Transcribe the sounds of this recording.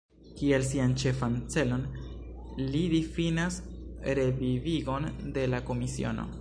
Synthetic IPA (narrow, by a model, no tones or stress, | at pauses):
kie̞lsiant͡ʃe̞fant͡se̞lo̞n | lidifinasɾe̞viviɡo̞nde̞lako̞misḭo̞̰no̞̰